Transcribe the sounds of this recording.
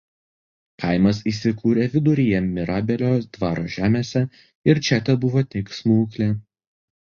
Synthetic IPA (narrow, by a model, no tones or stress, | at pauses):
kɑˑɪmɐsiːsʲɪkuːɾʲeːʋʲɪd̪ʊɾʲɪjɛmʲɪɾɑːbʲɛlʲoːd̪̥ʋɑːɾoːʒʲæːmʲeːsʲɛ | ɪɾt͡ʃʲæt̪ʲɛbʊʋoːt̪ʲeksmuːklʲeː